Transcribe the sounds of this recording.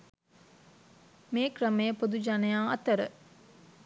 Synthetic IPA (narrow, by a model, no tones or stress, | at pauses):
meːkrəmejəpod̪ud͡ʒanejaːɐt̪əɾə̰